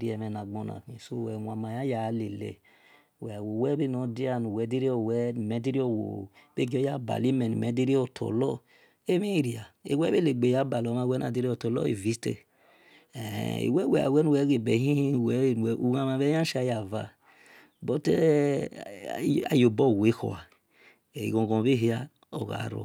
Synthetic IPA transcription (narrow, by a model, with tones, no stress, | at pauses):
ɾi˦ɛ˨mɛ˨na˨ɡ͡bo˧na̰˨ki˨so˦˨wɛ˨wa˨ma˨ja˦ja˨le˨lḛ˨ | wɛ˨a˨wo˨wɛ˦be˦nɔ˨˦di˦a˨nu˨wɛ˨˦di˦ɾi˦ɔ˨wɛ˨˦˨mɛ˨˦di˦ɾi˦ɔ˨wo̰˨ | b̥e˦ɡɔ˦ja˦ba̰˨li˦mɛ˨nṵ˨mɛ˨˦di˦ɾi˦ɔ˨tʰɔ̰˨lɔ˦ | e˦mi˦˨ɾi˨a˨e˨wɛ˦be˦le˨ɡ͡be˨ja˦ba˨lɔ˨˦ma˧˨wɛ˦na̰˨di˦ɾi˦ɔ˨tɔ˨lɔ̰˦ḭ˨vi˨˦stɛ̰˦˨ | ḛ˨wɛ˦wɛ˨a̰˨wɛ˦nu˦˨wɛ˨˦ɡe˨bɛ˨˦hĩ˦hi˦˨wɛ˨˦˨ɛ˨u˨ɣa˦ma˨βɛ˦a˦ʃa˨˦ja˨va̰˨ | bɔ˦tɛ˦ | a̰˨jo˨bɔ˦˨we˨˦kɔ̰˨a˨ | ḭ˨ɡɔ̃˨ɡɔ̃˨be˦ɦi˦a˦ | o˨ɣa̰˨ɾo̰˨